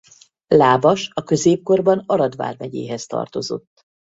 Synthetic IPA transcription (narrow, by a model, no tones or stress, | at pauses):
laːbɒʃɒkø̞zeːp̚ko̞rbɒnɒɾɒd̪ʋa̰ːrvɛɟḛːɦɛst̪ɒ̰rt̪o̞zo̞̰t̪ː